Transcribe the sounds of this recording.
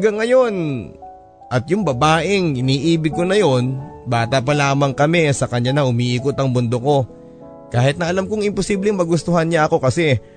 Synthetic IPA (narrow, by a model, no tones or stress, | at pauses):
ɡɐŋɐjo̞n | ʔɐt̪jʊŋbɐbaːʔɪŋʔɪniːʔiːbɪɡ̚konɐjo̞nbaːt̪ap̬ɐlaːmɐŋkɐmɛsɐkɐɲanɐhʊmiːʔiːkot̪ɐŋmʊnd̪oko̞ | kaːhɪt̪nɐɐlamkoŋɪmposiːblɛŋmɐɡʊst̪ohanɲaɐko̞kɐsɛ